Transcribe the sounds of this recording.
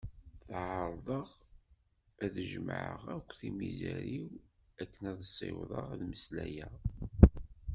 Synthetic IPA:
θʕəɾˤðˤəʁ | æðəʒəmʕə̰ʁækʷːθimizæɾiw | ækːənæðsˤːḛwðˤɑ̰ʁðməslæjæ

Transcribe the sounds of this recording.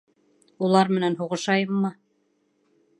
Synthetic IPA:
ulˠɑɾmɘ̆nænɦuʁɤ̆ʃɑjɤmːɤ

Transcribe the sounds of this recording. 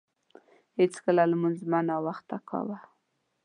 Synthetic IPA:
het͡skəlalmanzmanawaxt̪akʰɑ̰wa

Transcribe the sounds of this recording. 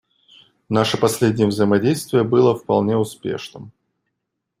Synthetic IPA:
naʂəpɐsʲlʲedʲnʲɪjəvzəjɪmɐdʲejst̪vʲɪjəbɨlˠəfpɐ̰lˠnʲe̞ʊspʲḛʂnɨm

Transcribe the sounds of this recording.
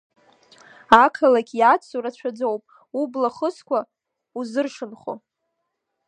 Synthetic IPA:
akʰalakʲʼjat͡sʰuɾat͡ɕʷʰad͡zowpʼ | ublaχəskʷʰa | uzɨrʂɨnχo̰

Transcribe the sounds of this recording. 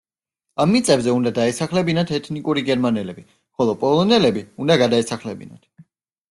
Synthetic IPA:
amːit̪sʼɛbzɛund̪ad̪aɛsaχlɛbinat̪ʰɛt̪ʰnikʼuɾiɡɛɾmanɛlɛbi | χɔlˠɔpʼɔlˠɔnɛlɛbiund̪aɡad̪aɛsaχlɛbḭna̰t̪ʰ

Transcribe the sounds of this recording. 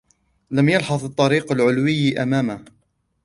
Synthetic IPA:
lamjɑlħɑðˤɨt̪ˤːɑɾiːqalʕʊlwɪjːʔamaːma

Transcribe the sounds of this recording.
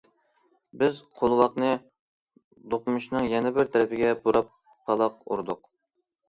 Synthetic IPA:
bɪzqʰolˠwɑqnɨ | d̪oqmuʃnɨŋjɛnɪbɪɾt̪ʰɛɾɪpʰɪɡʲɛbuɾɑpʰː | ɑlˠɑq̚ṵɾd̪ʊq

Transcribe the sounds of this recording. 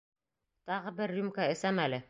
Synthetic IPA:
t̪ɑʁɤbɘɾːʉmkaɘ̆sæmælɘ

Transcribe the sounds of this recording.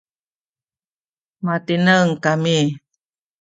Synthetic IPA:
mat̪inəŋkami

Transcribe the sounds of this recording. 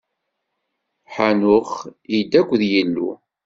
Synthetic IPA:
ħanʊχid̪ːækʷːðjəlːṵ

